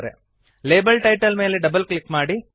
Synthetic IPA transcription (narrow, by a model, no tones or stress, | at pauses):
ɾḛ | leːbɐlʈɐjʈɐlme̞ːleɖɐbɐlklikmaːɽi